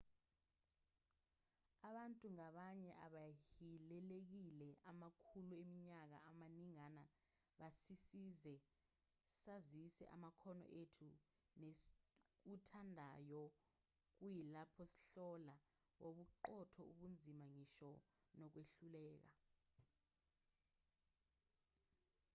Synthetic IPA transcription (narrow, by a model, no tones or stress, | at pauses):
aɓantʼuŋaɓaɲɛʔaɓahilɛlek̬ilɛʔamakʰuluemiɲak̬aamaniŋana | ɓasisizɛ | sazisɛ̰ʔa̰makʰɔnɔ̰ʔetʰu | nek̬utʰandʱajɔ | k̬ujilapʰɔsi̥ɬɔla | woɓuǃɔtʰɔuɓund͡zʱimaŋiʃɔ | nɔk̬weɬulɛːk̬a